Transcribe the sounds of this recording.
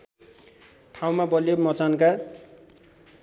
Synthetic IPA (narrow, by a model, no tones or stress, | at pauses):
ʈʰaw̃mabʌlijomʌt͡sanka